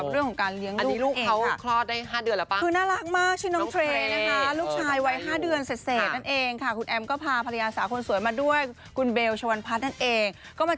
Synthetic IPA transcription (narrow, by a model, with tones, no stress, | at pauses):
p̚ɾɯ˥˩əŋʰɔ˩˦ŋkaː˧nli˦˥əŋluː˥˩i˦lu˥˩nʔkːʰa˦wa˧˩kʰlɔː˥˩daː˥˩jɦaː˥˩dɯ˨˧ənlːpa˥˩kʰɯː˧naː˥˩ɾa˦˥k̚maː˥˩k̚t͡ɕʰi˥˩nɔ˦˧˥t̪ʰɾeː˧na˦˥kʰa˦˥luː˥˩k̚t͡ɕʰaː˧jwa˦˥jɦaː˥˩dɯ˧ənse˨˩t̪̚seː˨˩t̪̚na˥˩nʔeː˧ŋkʰa˥˩kʰu˧nʔɛ˧mkɔː˥˩pʰaː˧pʰa˧a˧jaː˧saː˩˦kʰo˧nsu˨˩˦jmaː˧du˥˩əj | kʰu˧nbeː˧wt͡ɕʰa˧wa˧npʰa˦˥t̪̚na˥˩nʔeː˧ŋ | kɔː˥˩maː˧